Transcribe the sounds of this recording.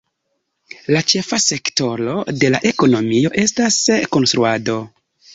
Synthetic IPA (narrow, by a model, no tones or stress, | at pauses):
lat͡ʃe̞fase̞kto̞ɾo̞de̞laʔe̞ko̞no̞mio̞ʔe̞stasko̞nstɾuado̞